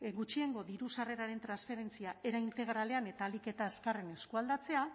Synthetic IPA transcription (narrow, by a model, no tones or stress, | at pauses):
ɡut͡ʃie̞ŋɡo̞ðiɾusare̞ɾaɾe̞nt̪ɾansfe̞ɾe̞nt͡siaʔe̞ɾaint̪e̞ɣ̞ɾale̞ane̞t̪aːlike̞t̪aeskarene̞skuald̪at͡se̞a